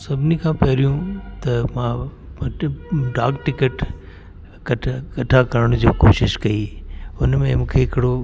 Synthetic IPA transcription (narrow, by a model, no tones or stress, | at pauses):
sɐbʱɪnikʰãːpɐɾijũt̪ɐmãː | ɖaːkʈɪkəʈ | kɐkɐʈʰakɐɾəɽ̃ʊd͡ʑoːkoːʃɪʃkɐiːʊnmẽmũːkʰeɦɪkɪɽo